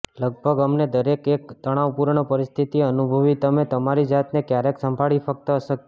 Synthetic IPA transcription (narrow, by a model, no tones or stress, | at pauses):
ləɡ̚bʱəɡəmned̪əɾekekt̪əɽ̃aʋpuɾɳəpəɾist̪ʰit̪iənubʱəʋit̪əmet̪əmaɾid͡ʒat̪nekjaɾeksəmbʱaɭifək̚t̪əəʃək